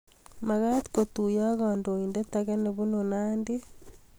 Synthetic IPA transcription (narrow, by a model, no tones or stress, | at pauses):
maɣati̥kotujaɣɔːndoindetaɣeneβunonaːnde